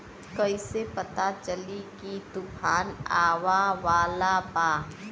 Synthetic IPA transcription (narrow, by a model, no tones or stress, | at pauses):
kɐisepɐt̪at͡ʃəlikid̪ʊkʰaːnaːʋaʋaːlabaː